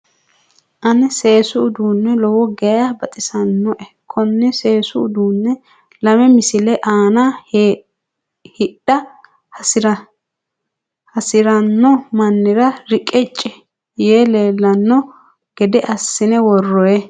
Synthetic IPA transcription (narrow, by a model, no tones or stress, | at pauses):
ʔɐnɛse̞ːsʊʊd̪uːnːɛlɔwɔɡɛjabɐt̪ʼɪsɐnːɔʔɛ | kʰɔnːɛse̞ːsʊʊd̪uːnːɛ | lɐmɛmɪsɪlɛʔaːna | hɪɗːɐ | ɾ | hɐsɪɾɐnːɔmɐnːɪɾɐɾɪkʼːɛt͡ʃʼːɛ | jeːleːlːɐnːɔ | ɡ̥ɛd̪ɛʔɐsːɪnɛwɔrːɔjɛ